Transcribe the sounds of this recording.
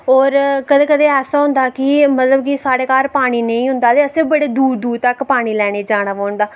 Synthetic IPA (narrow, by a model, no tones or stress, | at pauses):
ɔːɾkəd̪eːkəd̪eːɛːsaːɦʊ̃nd̪aːkɪmət̪ləbkɪsaːɽeːkaːɾpaːɽ̃iːnə̃ĩːɦʊnd̪aːt̪eːəsẽːbəɽeːd̪uːd̪d̪uːd̪t̪əkpaːɽ̃iːlɛːɽ̃eːd͡ʒaːɽ̃aːʋaːɳd̪aː